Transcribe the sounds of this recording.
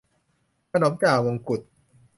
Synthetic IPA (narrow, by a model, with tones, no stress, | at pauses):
kʰa˧noː˨˩˦mkaː˨˩wo˧ŋku˨˩t̪̚